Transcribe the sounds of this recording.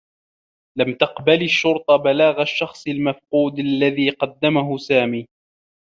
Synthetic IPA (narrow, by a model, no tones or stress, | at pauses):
lamt̪ɑqbalɪʃːʊɾt̪ˤɑbalaːɣaʃːɑxsˤɪlmafquːd̪alːaðiːqɑd̪ːamaɦʊsaːmiː